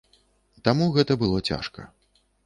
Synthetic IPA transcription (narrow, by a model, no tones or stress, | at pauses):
t̪amuɣɛt̪ɐbɨlˠɔt͡sʲa̰ʂkɐ̰